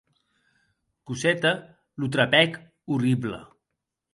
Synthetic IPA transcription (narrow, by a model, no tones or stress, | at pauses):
kusɛt̪ə | lut̪ɾapɛk | uriblə̰